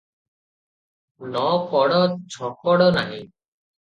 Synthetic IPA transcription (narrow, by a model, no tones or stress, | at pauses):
nɔkɔɽɔt͡ʃʰɔkɔɽɔnaɦi